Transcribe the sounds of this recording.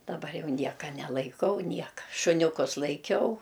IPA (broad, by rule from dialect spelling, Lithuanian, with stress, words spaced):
dɐˈbɐr ˈjɛʊ ˈnʲiɛkɐ nʲɛlˠɐɪˈkɐʊ ˈnʲiɛkɐ ʃʊnʲʊˈkʊs lˠɐɪˈkʲɛʊ